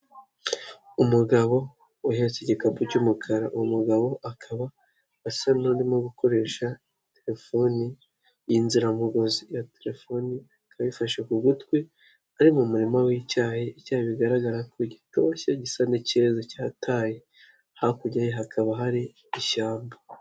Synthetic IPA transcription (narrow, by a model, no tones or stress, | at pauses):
umuɡaβo̞ | uhet͡seɟikapucumukʰaɾaʔumuɡaβo̞ʔakʰaβaː | sanodimoɡuko̞ɾe̞ːʃa | te̞ɾe̞fo̞ni | jinziɾamuɡo̞zijateɾe̞fo̞niakʰaβifaʃekuɡutkwe | aɾimumuɾimawiːcaːheicaːheβiɡaɾaɡaɾakʰoɟito̞çaɟisanicezacaːtʰaːje | hakuɟajeɦakʰaβaɦaɾi | iʃaːmbḁ